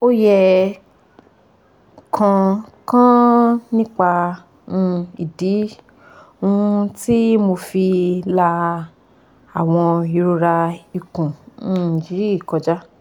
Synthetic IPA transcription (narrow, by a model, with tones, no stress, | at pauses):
o˦jɛ˧ | kʰã˧kã˦nĩ˦k͡pa˧ | ũ˧ḭ˨di˨˦ | ũ˦˧ti˦mo˧fi˧la˧ | a˨w̃ɔ̃˧i˧˨ɾo˧ɾa˧i˨kũ˨nũ˦nĩ˨d͡ʒi˨˦ɾi˦˨kɔ˧d͡ʒa˦